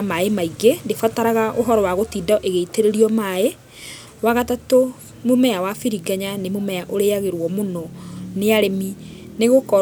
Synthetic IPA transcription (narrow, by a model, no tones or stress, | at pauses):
maemaiɡendefataɾaɣaʔoɦɔɾɔwaɣotidɔʔeɣeiteɾeɾiɔmae | waɣatato | momɛawafiɾiɡaɲanemomɛaʔoɾeaɣeɾwɔmonɔneaɾemi | neɣokɔ